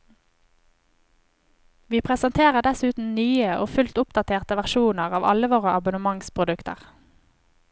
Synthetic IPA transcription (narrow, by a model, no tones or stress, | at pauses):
ʋiːpʰʁɛsɑnt̪ʰeːʁəd̪ɛsʉːt̪n̩nyːəʔoːfʉlt̪ʊpd̪ɑt̪ʰeːʁt̪əʋæʁʃuːnəʁɑːʋɑ̰ləʋoːʁəʔɑbʉnəmɑŋspʰʁʊd̪ʉkt̪ə̰ʁ